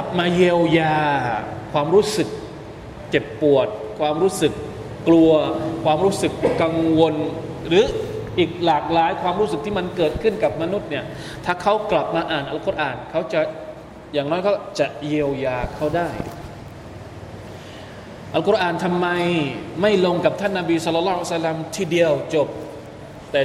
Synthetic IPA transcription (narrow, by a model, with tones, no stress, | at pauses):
ka˨˩p̚maː˧je˧wjaː˧kʰwaː˧mɾuː˦˥sɯ˨˩k̚ | t͡ɕe˨˩pːu˨˩ət̪̚kʰwaː˧mɾuː˦˥sɯ˨˩kː | lu˧ɐkʰwaː˧mɾu˦˥sɯ˨˩kːa˧ŋwo˧nɾɯː˨˦˥ʔiː˨˩k̚laː˨˩k̚laː˨˦jkʰwaː˧mɾu˦˥s̬ɯ˨˩k̚t̪ʰiː˥˩ma˧nkɤː˨˩t̪̚kʰɯ˥˩nka˨˩p̚ma˧nu˦˥t̪̚ni˥˩ɐ | t̪ʰaː˧˩kʰa˦˥wkla˨˩p̚maː˧ʔaː˨˩nʔa˧wkʰːɾʔaː˨˩nkʰa˦˥wt͡ɕa˨˩ | jaː˨˩ŋnɔː˦˥jkʰa˦˥t͡ɕa˨˩ʔji˧əwjaː˧kʰa˦˥˩wdaː˥˩j | ʔa˧wkʰʔaː˨˩nt̪ʰa˧mːa˧jma˥˩jlo˧ŋka˨˩p̚t̪ʰa˥˩nːa˧biː˧sɔ˧lːɔ˧lːɔː˦˥˦sa˧lːa˧mt̪ʰiː˧˩di˧əwt͡ɕo˨˩p̚ | t̪ɛː˨˩